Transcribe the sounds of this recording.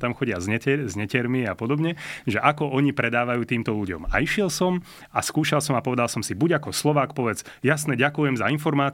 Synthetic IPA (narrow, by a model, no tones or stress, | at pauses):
t̪amxɔɟɪazɛɛzɲɛcɛɾmiapɔd̪ɔbɲɛʒɛʔakɔʔɔɲipɾɛd̪aːʋajuːt̪iːmt̪ɔʎuɟɔ̰ma̰iʃɪɛlsɔm | askuːʃalˠsɔmapɔʋɛd̪alsɔmsibuɟakɔslɔʋaːkpɔʋɛd͡zjasnɛɟakujɛmzainfɔɾmaːt͡s